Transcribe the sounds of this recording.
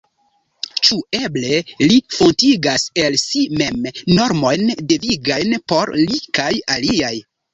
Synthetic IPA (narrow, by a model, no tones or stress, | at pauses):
t͡ʃue̞ble̞lifontiɡase̞lsime̞mːo̞ɾmo̞jndeviɡajnpo̞ɾlikajaliaj